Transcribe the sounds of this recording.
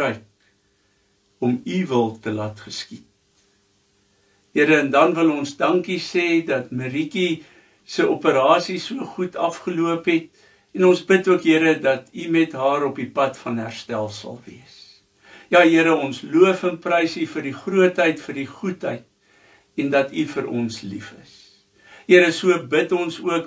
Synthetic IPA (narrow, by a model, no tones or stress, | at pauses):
əjk̚ | ɔmivəlˠtəlɐtχəskit̚ | ɦəɾəːndɐnvəlɔnsdɐŋkiseːdɐtməɾiki | səʔopəɾɑːsisuəχutʰɐfχəluəpɦɛt̚ | ɛnɔnsbətuəkɦəɾədɐtimɛtɦɑːɾɔpipɐtfɐnɦæ̰rstælˠsɐ̰lˠviəs | jɑːɦiəɾəɔnsluəfənprəjsifərdiχruətɦəjtfərdiχutɦəjt̚ | ɛndɐtifəɾʔɔ̰nslḭfə̰s | ɦiəɾəsuəbətɔnsuək